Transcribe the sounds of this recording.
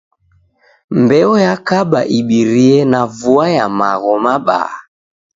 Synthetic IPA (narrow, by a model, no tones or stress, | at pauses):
mbɛɔjakaɓaʔiɓiɾiɛnavuajamaɣɔmaɓa̰